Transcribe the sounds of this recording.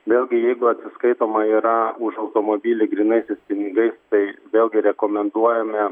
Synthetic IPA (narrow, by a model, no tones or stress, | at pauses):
ʋʲeːlʲˠɡʲɪjɛɪɡʊɐt̪ʲsʲɪskɐɪt̪oːmɐiːɾɐʊʃɐʊt̪oːmoːbʲiːlʲɪɡɾʲinɐɪsʲɛɪspʲɪnʲɪɡɐɪst̪ɐɪʋʲeːlʲˠɡʲɪɾʲɛkoːmʲɛnd̪uɔjɛmʲɛ